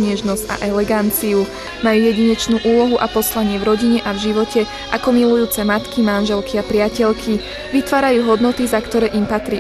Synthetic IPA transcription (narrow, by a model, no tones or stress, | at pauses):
ɲɛʒnɔzca̰ʔɛlɛɡant͡siu | majuːjɛɟiɲɛt͡ʃnuːʔuːlɔɦuʔapɔslaɲɪɛvɾɔɟiɲɛʔavʒiʋɔcʰɛ | ʔakɔmilujuːt͡sɛmat̪kimanʒɛlkʰiapɾɪacɛʎkʰi | ʋit̪ʋaːɾajuːɦɔd̪nɔt̪izakt̪ɔɾɛːʔimpat̪ɾiː